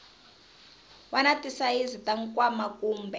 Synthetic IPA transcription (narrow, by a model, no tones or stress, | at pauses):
wanatʼisaizitʼaŋ̩kwamakʼuːmbɛ